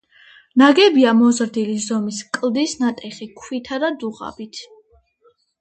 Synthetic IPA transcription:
naɡɛbiamɔzɾd̪ilizɔmiskʼlˠd̪isnat̪ʼɛχikʰwit̪ʰad̪ad̪uʁa̰bit̪ʰ

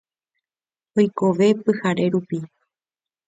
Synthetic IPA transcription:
ojko̞ʋe̞pɨhaɾe̞ɾupi

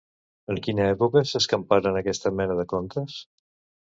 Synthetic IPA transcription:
əŋkinəɛpukəsəskəmpaɾənəkɛst̪əmɛnəðəkont̪əs

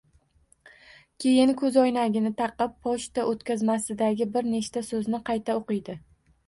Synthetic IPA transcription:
kʲʰe̞jɪnkʰɵzɒjnaɡʲɪnɪt̪ʰɑqɨpːʰɒʃt̪aʔot̪kʲazmasɪd̪aɡʲɪbɪɾne̞ʃt̪asɵznɪqʰɑjt̪ʰaoqɨjd̪ɪ

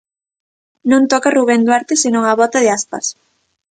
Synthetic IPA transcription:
nõnt̪ɔkaruβ̞end̪waɾt̪ɪsenõŋɐβɔt̪ɐðɪaspa̰s

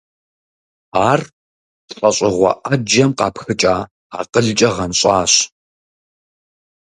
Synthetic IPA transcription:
aːr | tɬʼɐɕʼɪʁʷɐ̰ʔɐd͡ʒɐmqɑːpxɨt͡ʃʼaː | aːqəɮt͡ʃʼɐʁɐnɕʼaːɕ

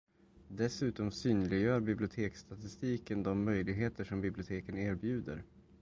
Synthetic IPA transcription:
d̪ɛsʉ̟ːt̪ɔmsyːnlɪɡjœːɾbɪblɪʊt̪ʰeːkst̪ʰat̪ɪst̪iːkənd̪ɔmːœjlɪɡɦeːt̪əʂɔmbɪblɪʊt̪ʰeːkəneːɾbjʉ̟ːd̪ə̰ɾ

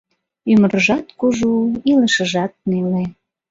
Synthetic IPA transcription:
yməɾəʒɑt̪kuʒuiləʃə̆ʒɑt̪̚nele

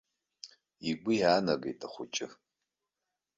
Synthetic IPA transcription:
iɡʷʊjaːnɐɡḛjtʰʼɐχʷʊt͡ʃʼɪ

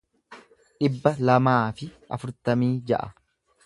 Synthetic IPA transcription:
ɗɪbːɐlɐmaːfɪʔɐ̰fʊɾt̪ɐmiːd͡ʒɐ̰ʔɐ

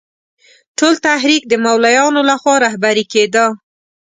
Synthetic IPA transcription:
ʈolt̪aɦɾik̚d̪əmawlajɑnolaxwɑɾahbaɾiked̪ə

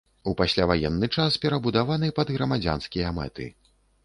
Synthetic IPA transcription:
upasʲlʲavajɛnːɨt͡ʂaspʲɛɾɐbud̪avanɨpɐd̪ɣɾɐmad͡zʲa̰nskʲijɐmɛ̰t̪ɨ̰

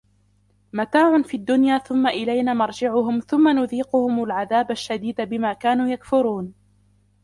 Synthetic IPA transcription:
mat̪aːʕʊnfiːad̪ːʊnjaːθʊmːaʔɪlajnaːmɑɾˤd͡ʒɪʕʊɦʊmθʊmːanʊðiːqʊhʊmʊlʕaðaːbaʃːad̪iːd̪abɪmaːkaːnuːjakfʊɾuːn

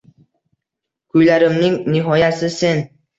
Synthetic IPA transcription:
kʰʊjlaɾɪmnɪŋnɪɦɒjasɪse̞n

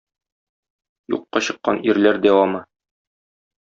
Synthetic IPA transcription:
jṵqːɑɕɤ̆qːɑniɾlæɾd̪æwɑmɤ

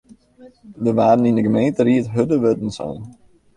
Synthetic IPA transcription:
dəʋaːdən̩indəɡəmejntəɾiətɦødəʋødn̩sɔ̰n

